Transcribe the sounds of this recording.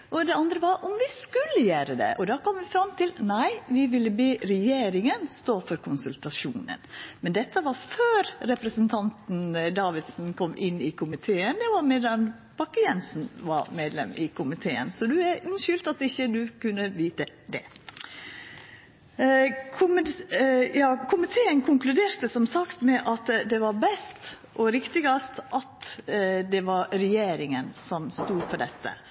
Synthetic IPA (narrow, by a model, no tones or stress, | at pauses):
ʔɔd̪ɛɑnd̪ɾəʋɑɾʔɔmʋɪskʉlːəjæːɾəd̪ɛ̰ʔɔd̪ɑːkʰɔmːʋɪfɾɑmːt̪ʰɪlnæɪʋɪʋɪlːəbeːɾɛjeːɾɪŋənst̪oːfɔɾkʰʊnsʉlt̪ɑʃuːnə̰nmɛnd̪ɛt̪ːəʋɑɾføːɾɾɛpɾəsənt̪ʰɑnt̪n̩d̪ɑːʋɪd̪sn̩kʰɔmːʔɪnːɪkʰʊmɪt̪ʰeːənd̪ɛʋɑɾmeːd̪ɑn | b̥ɑkːəjɛnsn̩ʋɑɾmeːd̪lɛ̰mɪkʰʊmɪt̪ʰeːə̰nsɔd̪ʉæɾʉnʃʏlt̪ɑt̪ɪçːəd̪ʉkʉnːəʋiːt̪ə | d̪ɛ̰ | kʰʊm | jɑːkʰʊmɪt̪ʰeːənkʰʊŋklʉd̪eːɾt̪əsɔmsɑkt̪mɛʔɑt̪d̪ɛʋɑɾbɛst̪ | ʔɔɾɪkt̪ɪɡɑst̪ʔɑt̪d̪ɛʋɑɾɾɛjeːɾɪŋənsɔmst̪uːɾpʰɔɖ̪ɛt̪ʰːə̰